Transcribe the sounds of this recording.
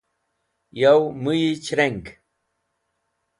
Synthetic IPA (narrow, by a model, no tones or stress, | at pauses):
jawmɨjit͡ʃɾeŋk